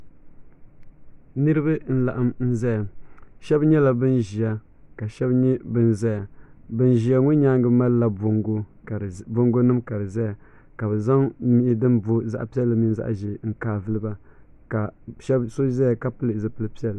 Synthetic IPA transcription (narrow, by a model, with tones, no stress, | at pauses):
nɨ˦ɾɨ˦ba˦n̩˦la˨ʔa˦mn̩˦zɛ˦ja˨ʃɛ˦bɲɛ˦la˦bɨ˦nʒi˨a˦ | ka˨ʃɛ˦bɲɛ˦bɨ˦nzɛ˦ja˨bɨ˦nʒi˨a˨ŋu˦ɲa˦ŋɡɨ˦ma˦lla˦bo˦ŋɡo˦˨ | bo˦ŋɡo˦nɨ˦mka˨ɾɨ˨zɛ˦ja˨ | ka˨bɨ˨za˦ŋmi˦ʔɪ˦dɨ˦nbo˦za̰˦ʔpi˦ɛ˦lːɨ˨mi˦nza̰˦ʔʒe˨ŋ̩˦kaː˦vɨ˦lɨ˦ba˦ | ka˨ʃɛ˦bso˦zɛ˦ja˨ka˦pɨ˦lɨ˨zɨ˨pɨ˦lɨ˦pi˦ɛ˦l